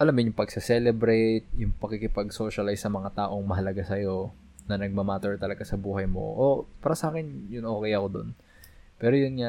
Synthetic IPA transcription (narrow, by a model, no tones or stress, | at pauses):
ʔɐlamːojʊŋpɐɡ̚sɛsɛlɛbɾɛjt̪̚jʊŋpɐkːikɪpɐɡso̞ːʃɐlajsɐmɐŋat̪aːʔo̞ŋmɐɦɐlɐɡasɐjo̞ | nɐnɐɡ̚mɐmaːt̪ɛɹt̪ɐlɐɡasɐbuːhɐjmo̰ʔopaːɾɐsɐʔaːkɪnjʊnʔo̞ːkɛjɐko̞d̪o̞̰n | pɛːɾojʊnɲa